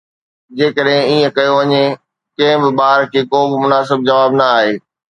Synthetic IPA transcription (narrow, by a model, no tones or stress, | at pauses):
d͡ʑeːkəɗɦɪ̃iːə̃kɐjoʋɐɲe | kɐ̃ɦɪ̃bɪɓaːɦɾkʰeːkoːbɪmʊnaːsɪb̚d͡ʑɐʋaːbnɐaːɦeː